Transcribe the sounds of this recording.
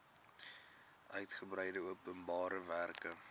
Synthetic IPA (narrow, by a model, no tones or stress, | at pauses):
ʔœɥtχəbɾəjdəuəpənbɑːɾəværkə